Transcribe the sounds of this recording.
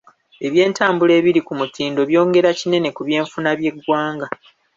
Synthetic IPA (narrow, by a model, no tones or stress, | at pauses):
e̞βje̞ːntaːmbule̞ːβiɾikumutiːndo̞βjo̞ːŋɡe̞ɾacine̞ne̞kuβje̞ːɱfunaβje̞ɡwaːŋɡa